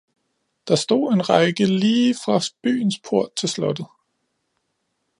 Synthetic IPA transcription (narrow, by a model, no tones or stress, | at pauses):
d̥ɑ̈sd̥o̝̰ːe̝nʁɑ̈ɪɡ̥əliːfʁɑ̈b̥y̰ːn̩spʰo̝ɐ̰d̥̚t͡sʰe̝lslɒ̽d̥ð̩ˠ